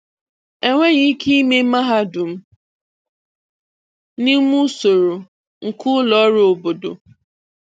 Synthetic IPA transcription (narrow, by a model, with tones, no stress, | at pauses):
e˦ŋʷe˦ɣi˦ki˦i˦me˦ma˦ɦa˦dʊ˨m̩˦ | ni˦mu˦so˨ɾo˨ | ŋ̩˨kʊ˦lɔ˨˦ɾʊ˦o˨bo˨do̰˨